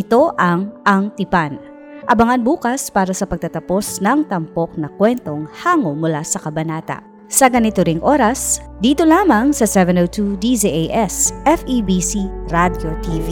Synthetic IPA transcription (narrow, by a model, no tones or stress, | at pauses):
ɪt̪o̞ʔɐŋʔɐŋt̪ɪpan | ʔɐbɐŋanbuːkɐspaːɾɐsɐpɐɡ̚t̪ɐt̪ɐpo̞snɐŋt̪ɐmpok̚nɐkwɛnt̪o̞ŋhaːŋomʊlasɐkɐbɐnaːt̪ɐ̰ʔ | sɐɡɐnɪt̪oɾɪŋʔo̞ɾɐs | d̪iːt̪o̞laːmɐŋsɐsɛvɛnowt̪ud̪iziʔejʔɛsʔɛfibisiɾad̪jot̪ivi